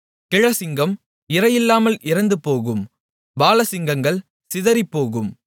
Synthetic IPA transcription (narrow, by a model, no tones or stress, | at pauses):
kɪɻɐsɪŋɡɐm | ɪɾɐjɪlːaːmɐlʔɪɾɐnd̪ɯpoːɣɯm | baːlɐsɪŋɡɐŋɡɐɭ | sɪðɐɾipːoːɣɯm